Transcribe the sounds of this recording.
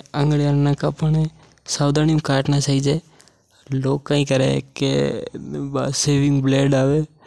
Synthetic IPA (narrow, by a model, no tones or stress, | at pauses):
ə̃ŋɡljaɾnãkapəɳe | saːʊd̪aːnijumkaːʈnat͡ʃaid͡ʒeː | loːkːaːĩːkəɾḛkḛ | seːʋɪ̃ŋɡbleːɖaːʋeː